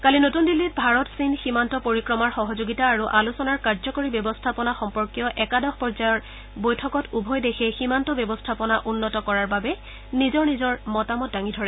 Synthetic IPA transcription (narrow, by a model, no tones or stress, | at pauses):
kalinotundilːit̚bʱaɹɔtsinximantɔpoɹikɹɔmaɹxɔɦɔzoɡitaːɹuʔalusɔnaɹkaɹzɔkoɹibɔbɔstʰapɔnaxɔmpɔɹkjɔʔɛkadɔxpɔɹzajɔɹ | bojtʰɔkɔtubʱɔjdexʰɛximantɔbɔbɔstʰapɔnaʔunːɔtɔkɔɹaɹbabɛ | nizɔɹnizɔɹmɔtamɔt̚daŋidʱɔɹɛ